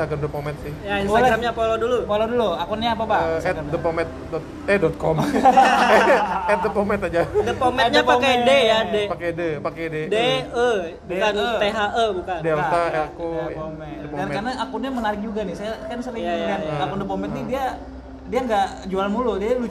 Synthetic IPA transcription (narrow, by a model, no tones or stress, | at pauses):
aɡəndəpomɛt̪̚sɪhjaɾamɲapolodulupoloduluakɔnɲaːpabaɛtamdəpomɛt̪̚dɔt̪ | ɛdɔt̪̚kɔm | ɛt̪̚dəpomɛt̪ad͡ʒadəpomɛɲapakadejadepakɛdəpakededeə | dkanət̪eɦaʔəbukandeɾt̪aɛkopomɛtd̪ankarnaʔakʊnɲamənaɾɪk̚d͡ʒuɡanɪsajakansəɾɪŋakanakɔndəpomɛnt̪̚idia | diaŋɡad͡ʒualmuludialu